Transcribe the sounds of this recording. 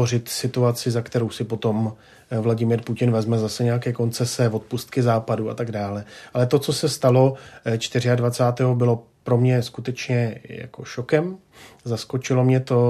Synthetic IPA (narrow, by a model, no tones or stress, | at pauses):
orɪt̪sɪt̪uat͡sɪzakt̪ɛɾo̞wsɪpo̞t̪o̞m | vlaɟɪmɪːɾpucɪnvɛzmɛzasɛɲɛjakɛːko̞nt͡sɛsɛvo̞t̪̚pust̪kɪzaːpadua̰t̪aɡdaːlɛʔalɛt̪o̞t͡so̞sɛst̪alo̞t͡ʃt̪ɪr̝ɪadvat͡saːt̪ɛːɦo̞bɪlo̞ | pɾo̞mɲɛskut̪ɛt͡ʃɲɛja̰ko̞ʃokɛm | zasko̞t͡ʃɪlo̞mɲɛt̪o̞